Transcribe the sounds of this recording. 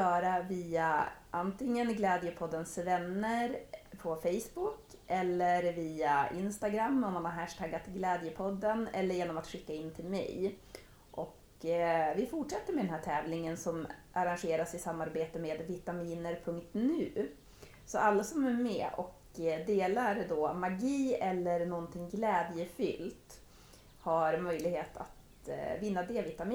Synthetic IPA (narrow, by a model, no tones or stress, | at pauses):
jœːɾaviːaʔant̪ʰɪŋːənɡlɛːd̪jəpʰɔd̪ːənsvɛnːəɾpʰɔfɛjsbʊkʔɛlːəɾviːaʔɪnst̪aɡɾamːɔmːanhaɾɦæʂʈ̪ʰaɡːat̪ɡlɛːd̪jəpʰɔd̪ːənɛ̰lːəɾjeːnɔmat̪ɧɪkːaɪnːt̪ʰɪlmɛ̰j | ʔɔk | vɪfʊʈʂɛt̪ːəɾmeɛd̪ɛnɦæːʈʰɛːvlɪŋənsɔmʔaɾanɧeːɾasɪsamːaɾbeːt̪əmeːd̪vɪt̪amiːnəɾpʰɵŋk̚t̪nʉ̟ː | sɔalːasɔmæɾmɛ̰ːʔɔ̰k | d̪eːlaɾd̪ɔmaɡiːɛlːəɾnɔnt̪ʰɪŋɡlɛːd̪jəfʏ̰lt̪ | haɾmœjlɪɡheːt̪ʰa̰t̪ | vɪnːad̪eːvɪt̪amiː